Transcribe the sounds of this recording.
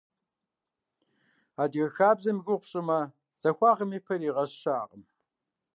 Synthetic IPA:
aːdɣɐxaːbzɐmɣʊqʷɕʼɪmɐ | z̥ɐxʷɑːʁəmiːpʰɐɾiːʁɐɕɕaːʁəm

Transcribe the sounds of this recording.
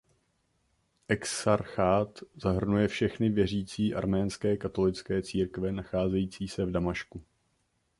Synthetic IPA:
ʔɛksaɾxaːt̪zaɦr̩nujɛfʃɛxnɪvjɛr̝iːt͡siːʔa̰ɾmɛːnskɛːkat̪o̞lɪt͡skɛːt͡siːɾkvɛnaxaːzɛjiːt͡siːsɛvdamaʃku

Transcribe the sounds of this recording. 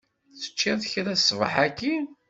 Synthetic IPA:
θə̥t͡ʃːinθçɾæsːvə̰ħækːi

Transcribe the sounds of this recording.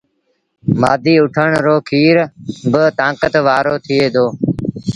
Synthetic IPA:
ma̰ːd̪ʱiːʊʈʰəɳɾoːkʰiːɾbət̪ãːkət̪ʋaːɾoːt̪ʰɪeːd̪ʱoː

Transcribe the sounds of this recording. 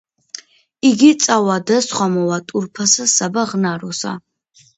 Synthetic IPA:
iɡit̪sʼawad̪əsχwamɔwat̪ʼuɾpʰasasabaʁnaɾɔsa̰

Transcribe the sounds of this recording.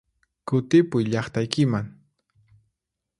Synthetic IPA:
kʊt̪ɪpʊjʎɑχt̪ajkɪmaŋ

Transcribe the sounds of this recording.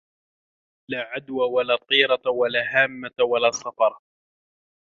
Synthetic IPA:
laːʕad̪wawalaːt̪ˤiːɾɑwalaːɦaːmːawalaːsˤɑfɑɾˤ

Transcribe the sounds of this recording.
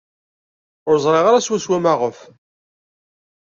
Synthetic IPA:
ʊɾzˤɾˤeʁaɾaswæswæmaʁəf

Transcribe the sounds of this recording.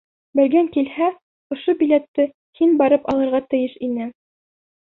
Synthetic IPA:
bɘ̆lɡæŋkilhæ | ŏʃobilet̪ːɘ | hinbɑɾɤpɑlˠɤ̆ɾʁɑt̪ɘ̆jɘʃinɘ

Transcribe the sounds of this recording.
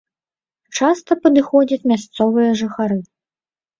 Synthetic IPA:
t͡ʂast̪ɐpɐd̪ɨxɔd͡zʲɐt͡sʲmʲast̪sɔvɨjɐʐɨxaɾɨ

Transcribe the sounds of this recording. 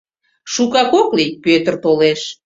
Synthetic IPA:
ʃukɑkoklijpøt̪ərt̪oleʃ

